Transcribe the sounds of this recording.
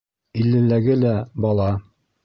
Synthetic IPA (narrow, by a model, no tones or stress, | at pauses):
ilːɘ̆læɡɘlæbɑlˠɑ